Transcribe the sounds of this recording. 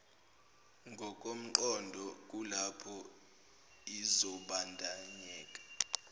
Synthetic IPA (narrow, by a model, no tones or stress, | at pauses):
ŋɡʱɔk̬ʼom̩ǃɔndʱɔk̬ʼulapʰɔ | izɔɓandʱaɲɛːkʼḁ